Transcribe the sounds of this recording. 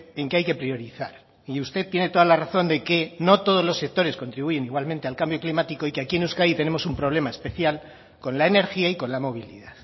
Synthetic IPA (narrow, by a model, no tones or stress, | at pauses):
e̞ŋkeajke̞pɾio̞ɾiθaɾ | iust̪e̞ðt̪jene̞t̪o̞ð̞alaraθo̞nd̪e̞ke̞no̞t̪o̞ð̞o̞zlo̞sːe̞k̚t̪o̞ɾe̞sko̞nt̪ɾiβuʝe̞niɣwalmẽ̞nt̪e̞alkambjo̞klimat̪iko̞ikeakienuskait̪e̞ne̞mo̞sumpɾo̞β̞le̞mae̞spe̞θjal | ko̞nlaene̞ɾxiaiko̞nlamo̞β̞ilḭðaθ